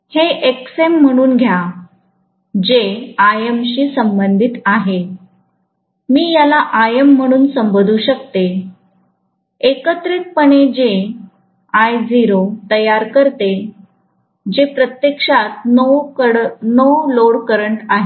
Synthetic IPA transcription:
heʔeksem̤ːəɽ̃uːnɡʱja | d͡ʑeajemɕiːsəmbənd̪ʱit̪aɦe | miːjalaʔajəm̤ːəɽ̃uːnsəmbod̪ʱuːɕəkt̪e | ekət̪ɾit̪̚pəɳed͡ʑe | ajd͡ziɾot̪əjaɾkəɾt̪e | d͡ʑepɾət̪jekʂat̪̚ | nowloɽkəɾəɳʈaɦe

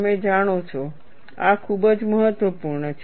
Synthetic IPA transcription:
med͡ʒaɽ̃ot͡ʃʰo | akʰubəd͡ʒməɦət̪ʋəpuɾɳət͡ʃʰ

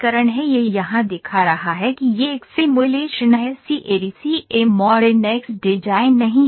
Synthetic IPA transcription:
kəɾəɽ̃ɦɛjejɐɦãd̪ɪkʰaɾɐɦaɦɛkijeksɪmʊleʃnaɦɛsiʔeːɾisiemɔːɖenɛksɖɪd͡ʒaːɪnːɐɦĩ

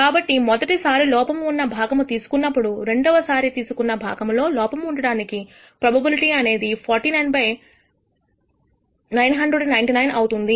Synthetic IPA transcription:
kaːbɐʈːimɔd̪ɐʈisaːɾilɔːpɐmunːɐbʱaːɡɐmut̪iːsu̥kunːɐpːuɽuɾe̞ɳɖɔʋɐsaːɾit̪iːsukunːɐbʱa̰ːɡɐmlo̞ːlɔːpɐmuɳɖɐɽaːniki | pɾɐbʱɐbiliʈiːɐne̞ːd̪ipʰɔːɾʈinɐjnpɐj | nɐjnɦɐɳɖdɾeɖnɐjnʈinɐjnʔɐwut̪und̪i

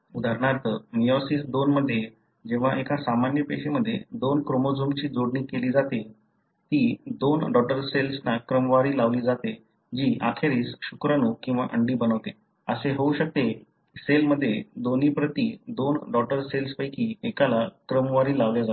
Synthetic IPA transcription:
ud̪ʱaɾɳaɾt̪ʰəmijɔsiːsd̪onməd̪ʱːje | d͡ʑẽʋ̤aʔekasamanjəpeɕeməd̪ʱːjḛd̪onkɾomod͡zomt͡ɕiːd͡zoɽɳiːkeliːd͡zat̪e | t̪iːd̪onɖɔʈəɾselsnakɾəmʋaɾiːlaʋliːd͡zat̪e | d͡ʑiːʔa̰kʰeɾiːsɕukɾanuːkĩw̃ʋa̰ʔəɳɖiːbənəʋt̪e | əseɦouɕək̚t̪e | selməd̪ʱːjed̪oniːpɾət̪iːd̪onɖɔʈəɾselspəjkiːekalakɾəmʋaɾiːlaʋljad͡za

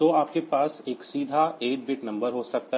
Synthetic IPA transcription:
oaːp̚kepaːseːksiːd̪ʱaeːʈ̚bɪʈnɐ̃mbəɾɦoːsɐk̚t̪a

